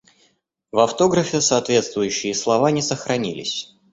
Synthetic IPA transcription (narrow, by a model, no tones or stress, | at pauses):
vɐft̪o̞ɡɾəfʲɪsɐːt̪vʲe̞t̪st̪vʊjʉɕːɪjəslˠɐvanʲɪsəxɾɐnʲḭlʲɪ̰sʲ